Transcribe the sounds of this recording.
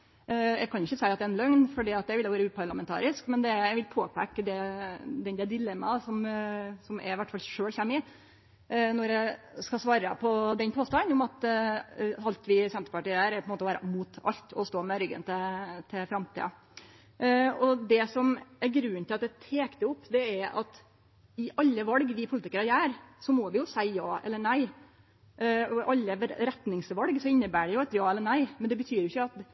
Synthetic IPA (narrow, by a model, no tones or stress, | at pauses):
jæ̰kʰɑnɪçːəsæɪɑt̪d̪ɛɛnlœŋnfɔɖiːɑt̪̚d̪ɛʋɪlɛɔʋæːɾʉːpʰɑɾɭɑmɛnt̪ʰɑ̰ːɾɪskmɛnd̪ɛjæʋɪlpʰoːpækːəd̪ɛd̪ɛnd̪ɛd̪ɪlɛmːɑsɔmsɔmæ̰ɪɪʋæʈːfɑlʂøːɭçæmːɪ | nɔɾɛskɑsʋɑːɾə̰pʰɔd̪ɛnpʰoːst̪ɑnʊmɑt̪ | ɑlt̪ʋɪsɛnt̪ə̥pɑʈiːæːɾæɾpɔɛnmoːt̪ɔʋæːɾə̰muːt̪ʰɑ̰lt̪ɔst̪oːmɛɾʏɡə̰nt̪ʰɛt̪ʰɪfɾɑmt̪ʰḭːɑ̰ | ɔd̪ɛsɔmæɾɡɾʉnːt̪ʰɪlɑt̪̚d̪ɛt̪ʰeːkt̪əʊpːd̪ɛæɾɑ̰t̪ | ɪʔɑlːəʋɑlɡʋɪpʰʊlɪt̪ɪkəɾɑjæːɾsɔmɔʋɪjʊsæɪjɑːɛ̰lːəɳæɪ | ɔʔɑlːəɾɛt̪nɪŋsʋɑlɡsɔɪnːəbæːɖɛjʊɑt̪jɑːɛlːəɳæɪmɛnd̪ɛbət̪ʰyːɾjʊɪçəɑt̪